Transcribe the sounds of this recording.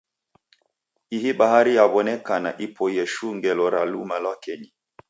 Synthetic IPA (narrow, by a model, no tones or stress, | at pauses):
iɦiɓaɦaɾijaβɔnɛkana̰ʔipʰɔjɛʃuŋɡɛlɔɾalumalwakɛɲi